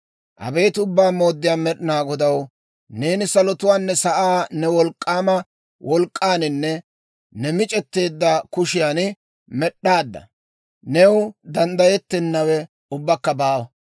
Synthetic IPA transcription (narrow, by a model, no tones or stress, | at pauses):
ʔɐ̰bejt̪ʊbːaːmo̞ːd̪ːɪjaːmɛɗɪnaːɡɔd̪ɐw | ne̞ːnɪsɐlɔt̪ʊwaːnːɛsɐʔaːnɛwɔlkʼːaːmɐ | wʔɔlkʼːaːnɪnːɛ | nɛmɪt͡ʃʼɛt̪ːe̞ːd̪ːɐkʊʃɪjaːn | mɛɗːaːd̪ːɐ̰ | nɛwd̪ɐnd̪ɐjɛt̪ːɛnːɐwɛ | ʊbːɐkːɐbaːwɐ